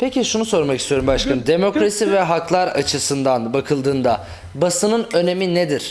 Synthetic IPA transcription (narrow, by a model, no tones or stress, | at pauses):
pʰeciʃunuso̞ɾmakist̪ʰio̞ɾumbaʃkʰanɯd̪e̞mo̞kɾasivɛɦaklˠaɾat͡ʃʰɯsɯnd̪anbakʰɯlˠd̪ɯːnd̪a | basɯnɯnø̞ne̞mined̪iɾ̥